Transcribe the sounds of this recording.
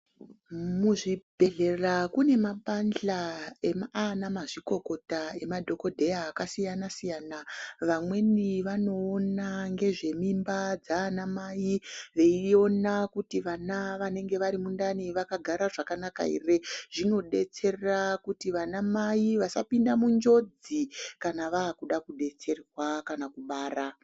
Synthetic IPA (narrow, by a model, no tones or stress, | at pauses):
muʐibʱe̞ɮe̞rakune̞maɓand͡ɮaemaanamaʐiko̞ko̞tae̞madʱo̞ko̞dʱe̞jaːkasijanasijaːnaʋamwe̞niʋano̞ːnaŋɡe̞ʐe̞mimbad͡zaːnamajiʋe̞io̞nakutiʋanaʋane̞ŋɡe̞ʋaɾimundaniʋakaɡʱaɾaʐakanaka̰ḭreʐ̥ino̞ɗe̞t͡se̞rerakutiʋanamaiʋasa̰pindamund͡ʒo̞d͡zikanaʋaːkuɗakuɗe̞t͡se̞rrwakanakuɓaːra